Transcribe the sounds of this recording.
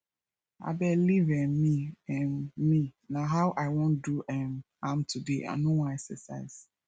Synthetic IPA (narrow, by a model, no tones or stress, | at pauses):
a̰bɛlivɛmiɛ̃nminaɦaʊʔaɪwɔ̃nduʔɛm | ãmtʰudea̰nowãɛksɛsa̰ɪz̥